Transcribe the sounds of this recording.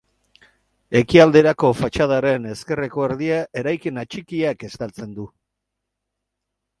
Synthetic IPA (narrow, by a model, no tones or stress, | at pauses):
e̞kiald̪e̞ɾako̞fat͡ʃað̞aɾe̞ne̞ske̞reko̞eɾðiaʔe̞ɾajkinat͡ʃikiake̞st̪alt͡se̞nd̪u